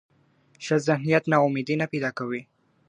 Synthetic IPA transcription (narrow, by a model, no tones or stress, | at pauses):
ʃəzɪhnijat̪naʊmed̪inapejd̪ɑkawi